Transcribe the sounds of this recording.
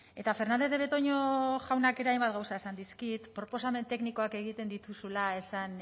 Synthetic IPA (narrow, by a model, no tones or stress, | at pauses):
e̞t̪afe̞ɾnand̪e̞zðeet̪o̞ɲo̞ʝawnake̞ɾeajmbat̪ɡɣawsaesand̪iskit̪pɾo̞po̞same̞nt̪e̞kniko̞ake̞ɣ̞it̪e̞nd̪it̪usulae̞san